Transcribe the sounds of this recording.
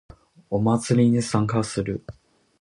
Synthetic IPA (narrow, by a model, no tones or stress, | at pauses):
o̞mat͡sɨɾʲiɲisãŋkasɨɾɯ̟